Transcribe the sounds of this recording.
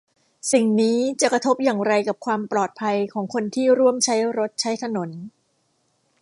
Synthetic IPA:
si˨˩ŋniː˦˥t͡ɕa˨˩kɾa˧t̪ʰo˦˥p̚jaː˨˩ŋɾa˧jka˨˩p̚kʰwaː˧mplɔː˨˩t̪̚pʰa˧jkʰɔː˩˦ŋkʰo˧nt̪ʰiː˥˩ɾu˥˩əmt͡ɕʰa˦˥jɾo˦˥t̪̚t͡ɕʰa˦˥jt̪ʰa˧no˩˦n

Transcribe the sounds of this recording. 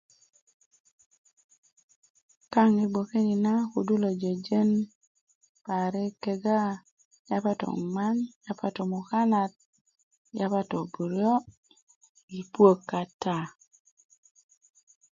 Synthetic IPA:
ka˦ŋi˦bo˨ke˦ni˨na˦ku˨du˦lo˨d͡ʒe˨d͡ʒe˦n | pa˨ɾɛ˦ke˦ɡa˦ | ja˦pa˦tɔ̰˨ma˦nja˦pa˦to˨mu˨ka˦na˨t̪̚ | ja˦pa˦to˨bu˨ɾjo˦ | i˨pwo˦kːa˨ta˦˨

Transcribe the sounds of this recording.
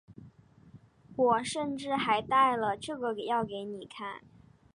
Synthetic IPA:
wɔ˨˩ʂə˥˧nʈ͡ʂɻ̩˥˩xa˧˥ɪt̪a˥˩ɪlə˩ʈ͡ʂɤ˥˩ɡə˩ke˨˩jɑ˥˩ʊke˧˥ɪni˨˩kʰa˥˩n

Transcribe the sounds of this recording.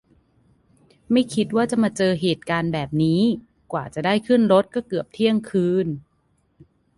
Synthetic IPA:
ma˥˩jkʰi˦˥t̪̚waː˥˩t͡ɕa˨˩maː˧t͡ɕɤː˧ɦeː˨˩t̪̚kaː˧nbɛː˨˩p̚niː˦˥ | kwaː˨˩t͡ɕa˨˩da˥˩jkʰɯ˥˩nɾo˦˥t̪̚kɔː˥˩kɯ˨˩əp̚t̪ʰi˥˩əŋkʰɯː˧˥n

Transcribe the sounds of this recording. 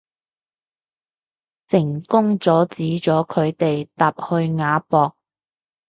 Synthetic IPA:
sɪ˨˩ŋkʊ˥ŋt͡sɔː˨˥t͡siː˨˥t͡sɔː˨˥kʰɵ˨˧ɥt̪e˨jt̪aː˨p̚hɵ˧ɥŋaː˨˧pɔː˨˧k̚

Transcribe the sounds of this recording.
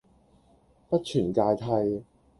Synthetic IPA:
pɐ˥t̚t͡ʃʰyː˨˩nkaː˧jt̪ʰɐ˧j

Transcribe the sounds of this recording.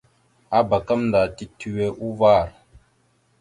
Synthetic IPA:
a˨˦ba˨kə˦mn˨da˨ti˦tʉ˦e˦ʔu˦vaː˦˨ɾ

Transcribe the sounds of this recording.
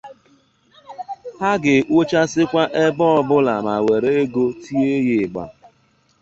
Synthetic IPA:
ha˦ɡɪ˨ʔwo˦t͡ʃa˦sɪ˦kʷa˦ʔe˦bɔ˦˨bʊ˦la˨ma˨we˨ɾe˦e˦ɡo˦tʰi˦e˦ɣɪ˨ɡ͡ba̰˨

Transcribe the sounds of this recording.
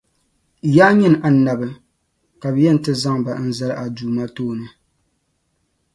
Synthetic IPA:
jaː˦ɲɨ˦n˨ʔa˨˦na˨bɨ˨ | ka˨bjɛ˦n̩˨tɨ˦za˦ŋba˨˦n̩˦za˦lɨ˦ʔa˨duː˨ma˦toː˦˨nɨ˦

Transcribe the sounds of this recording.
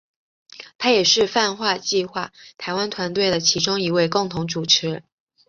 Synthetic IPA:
t̪ʰa˥jɛ˨˩ʂɻ̩˥˧fa˥˧nxwa˥˧t͡ɕi˥˧xwa˥˩t̪ʰa˧˥ɪwa˥nt̪ʰwa˧˥nt̪we˥˩ɪd̪ə˩t͡ɕʰi˧˥ʈ͡ʂʊ˥ŋi˧˥we˥˧ɪkʊ˥˩ŋt̪ʰʊ˧˥ŋʈ͡ʂu˨˩ʈ͡ʂʰɻ̩˧˥

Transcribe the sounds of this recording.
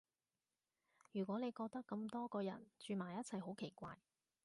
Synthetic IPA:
jyː˨˩kʷɔː˨˥ne˨˧jkɔː˧k̚t̪ɐ˥kːɐ˧mt̪ɔː˥kɔː˧jɐ̰˨˩nt͡ʃyː˨˧maː˨˩jɐ˥t̚t͡sʰɐ˨˩jho˨˥wkʰe˨˩jkʷa̰ː˧j

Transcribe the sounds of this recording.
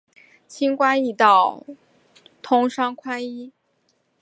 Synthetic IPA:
t͡ɕʰi˥ŋkwa˥ni˥˩t̪ɑ˥˩ʊ | t̪ʰʊ˥ŋʂɑ˥ŋkʰwa˥ni˥

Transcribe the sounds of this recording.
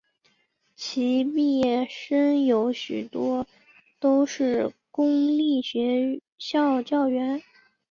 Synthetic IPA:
t͡ɕʰi˧˥pi˥˧jɛ˥˩ʂə˥njo˧˥ʊɕy˨˩t̪wɔ˥ | t̪o˥ʊʂɻ̩˥˩kʊ˥ŋli˥˩ɕɥɛ˧˥ | ɕjɑ˥˧ʊt͡ɕjɑ˥˩ʊɥɛ˧˥n

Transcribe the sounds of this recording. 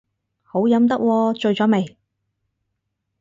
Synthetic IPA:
ho˨˥wjɐ˨˥mt̪̬ɐ˥k̚wɔː˧t͡ʃɵ˧ɥt͡ʃɔː˨˥me˨˩j

